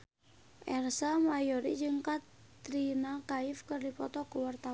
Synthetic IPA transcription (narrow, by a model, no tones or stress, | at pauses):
ʔɛrsamajɔɾḭd͡ʒɨŋkat | t̪ɾinakaifkɨrdipɔt̪ɔkəwart̪a